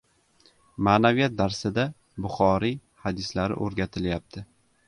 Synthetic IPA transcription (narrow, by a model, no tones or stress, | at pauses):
maːnavijat̪̚d̪aɾsɪd̪a | bʊχɒɾi | had̪ɪslaɾɪ̰ʔoɾɡʲat̪ʰɪljap̚t̪ʰɪ